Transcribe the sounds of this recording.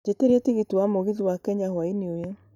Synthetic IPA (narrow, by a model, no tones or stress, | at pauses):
d͡ʒeteɾɛtiɣitiwamoɣiðiwakɛɲahwainiojɛ